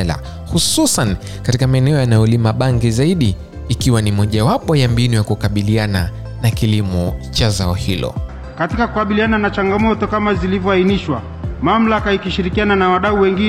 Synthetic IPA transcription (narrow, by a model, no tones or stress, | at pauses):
la̰ | hususan | katikamaɛnɛɔjanajɔlimaɓaŋɡizaiɗiː | kiwanimɔʄawapɔjambinijakukaɓiliana | nakilimɔt͡ʃazaɔhilɔ̰ | katikakukaɓiliananat͡ʃaŋɡamɔtɔkamazilivjɔainiʃwa | mam̩lakaikiʃiɾikiananawaɗauwɛŋɡi